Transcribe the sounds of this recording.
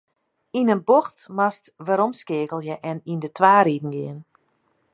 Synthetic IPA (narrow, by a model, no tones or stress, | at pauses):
inənboxtmastʋaɾɔmskɪəkəlˠjɛʔɛnindətʰʋaːɾidn̩ɡɪən